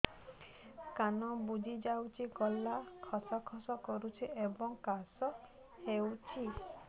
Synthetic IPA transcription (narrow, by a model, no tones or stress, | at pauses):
kanɔbud͡ʒid͡ʒawt͡ʃʰiɡɔlːakʰɔsɔkʰɔsɔkɔɾut͡ʃʰiʔebɔŋkasɔ | hewt͡ʃʰi